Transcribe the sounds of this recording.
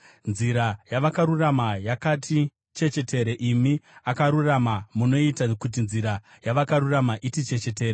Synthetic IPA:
nziɾajaʋakaɾuramajakatʰi | t͡ʃe̞t͡ʃe̞tʰe̞ɾeʔimiakaɾuramamuno̞itakut̬inziɾa | jaʋakaɾuramaʔitit͡ʃe̞t͡ʃe̞t̬e̞ːre

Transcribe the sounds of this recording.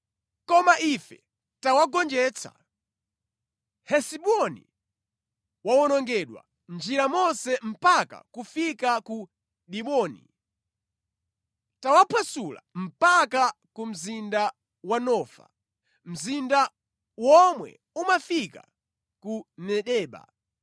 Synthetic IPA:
kɔmaʔifɛ̰ | tawaɡɔnd͡ʒɛːt͡sʰa̰ | hɛsiɓɔnḭ | wawɔnɔŋɡɛɗwa̰ | nd͡ʒiɾamɔnsɛm̩paka̰kufikaku | ɗiɓɔːnḭ | tawapʰasula̰m̩paka | kum̩zinda | wanɔːfa̰ | m̩zinda | wɔmwɛ̰ | umafika̰ | kunɛɗɛːɓa̰

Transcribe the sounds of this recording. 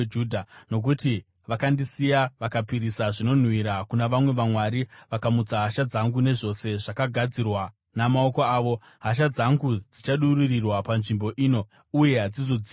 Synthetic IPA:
uːdʱano̞k̬uti | ʋakandisijaʋakapiɾisaʐino̞n̤wiɾakunaʋamwe̞ʋamwaɾiʋakamud͡zaɦaʃad͡zaŋɡune̞ʐo̞se̞ʐakaɡʱad͡zirwa | namao̞ko̞aːʋo̞ | ɦaʃ̬ad͡zaŋɡud͡zit͡ʃaɗuririrwapanʐimbo̞ʔiːno̞ | uje̞ɦad͡zizo̞d͡zi

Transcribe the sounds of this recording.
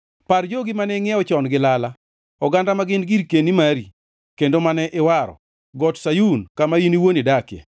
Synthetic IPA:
pard͡ʒoɡimanɛŋjɛɔt͡ʃɔnɡɪlala | ɔɡandamaɡɪnɡiɾkenimaɾi | kendomanɛʔɪwaɾɔ̰ | ɡɔtsajunkamainiwonidakjɛ̰

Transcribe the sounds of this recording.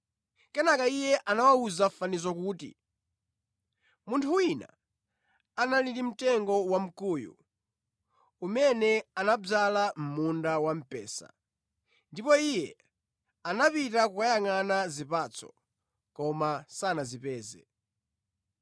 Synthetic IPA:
kɛnakaijɛʔanawauzafanizɔkuːtḭ | muntʰuwina̰ | analiɾim̩tɛŋɡɔwam̩kuːjṵ | umɛnɛanab͡ʐalam̩mundawam̩pɛ̰ːsa̰ | ndipɔijɛ | anapitakukajaŋanazipat͡sʰɔ̰ | kɔmasanazipɛːzɛ̰

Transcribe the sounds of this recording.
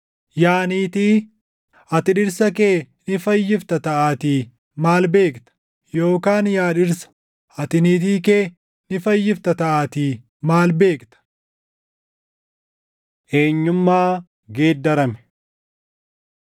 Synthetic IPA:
jaːniːt̪iː | ɐt̪ɪᶑɪɾsɐke̞ː | nɪfɐjːɪft̪ɐt̪ɐʔaːt̪iː | maːlbe̞ːkt̪ɐ̥ | jo̞ːkaːnjaːᶑɪɾsɐ̥ | ʔɐt̪ɪniːt̪̬iːkeː | nɪfɐjːɪft̪ɐt̪ɐʔaːt̪i | maːlbe̞ːkt̪ɐ̥ | ʔe̞ːɲːʊmːaː | ɡe̞ːd̪ːɐɾɐmɛ̥

